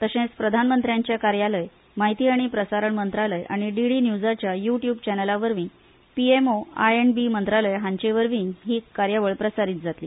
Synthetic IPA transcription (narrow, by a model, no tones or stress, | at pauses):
t̪əɕẽt͡spɾəd̪ʱanmənt̪ɾjaɲt͡ɕjakaɾjaləj | maɦit̪iːaɽ̃ipɾəsaɾəɳmənt̪ɾaləjʔa̰ɽ̃iɖiɽinjud͡zat͡ɕjajuʈjuːbt͡ɕɛnəlaʋəɾʋĩ | piemoa̰enbimənt̪ɾaləjɦãɲt͡ɕeʋəɾʋĩːɦiːkːaɾjaʋəɭpɾəsaɾiːt̪̚d͡zat̪lḭː